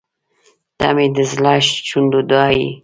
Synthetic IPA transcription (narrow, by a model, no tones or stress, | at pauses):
t̪a̰med̪əzlɑʃt͡ʃund̪od̪ɑjḭ